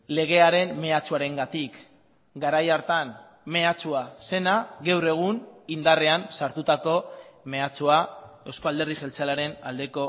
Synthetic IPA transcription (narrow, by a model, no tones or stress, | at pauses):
le̞ɣ̞e̞aɾe̞nme̞at͡suaɾe̞ŋɡat̪ik | ɡaɾajaɾt̪an | me̞at͡suase̞naɣewre̞ɣ̞unind̪are̞ansaɾt̪ut̪ako̞me̞at͡suae̞wsko̞ald̪eɾð̞iʝe̞lt͡salaɾe̞nald̪e̞ko̞